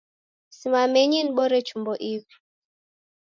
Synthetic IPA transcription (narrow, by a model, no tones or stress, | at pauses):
simamɛɲiniɓɔɾɛt͡ʃumbɔʔivi̥